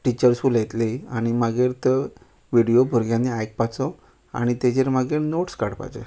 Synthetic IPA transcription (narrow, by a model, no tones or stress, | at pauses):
ʈit͡ɕəɾsfuːljet̪leaɽ̃imaɡeːɾt̪ə | ʋiɽijobʱoɾɡjãnːiajk̚pat͡sɔ | a̰ɽ̃it̪ed͡ʑeɾmaɡeɾnoʈskaɽpa̰jd͡ʑḛ